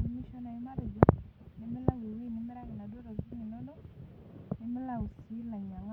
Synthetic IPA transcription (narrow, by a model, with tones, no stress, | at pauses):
i˨mi˦ʃɔ˦na˨i˨ma˦ɾe˨d͡ʒɔ˦ | ni˦mi˦la˦wi˨wi˦˨ni˦mi˦ɾa˦ji˨na˨dɔ˦ɾa˨zu˦i˦ŋi˨nɔ˦ndɔ˦ | ni˦mi˦la˦wu˨si˦la˨ɲa˨ŋa˦